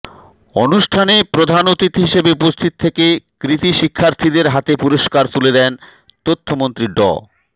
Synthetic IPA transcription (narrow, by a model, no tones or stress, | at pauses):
onuʃʈʰanepɾod̪ʱanot̪it̪ɦiʃebeupost̪ʰit̪̚t̪ʰekekɾit̪iʃikʰːaɾt̪ʰid̪eɾɦat̪epuɾoʃkaɾt̪uled̪ɛn | t̪ot̪ʰːomont̪ɾiɖɔ̰